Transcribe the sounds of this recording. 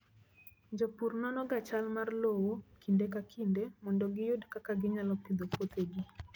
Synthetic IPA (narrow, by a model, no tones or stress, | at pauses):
ɲd͡ʒopurnɔnɔɡat͡ʃalmarlowokʰindekakʰindemɔndɔɡɪjʊdkakaɡɪɲalɔkid̪opot̪eɡi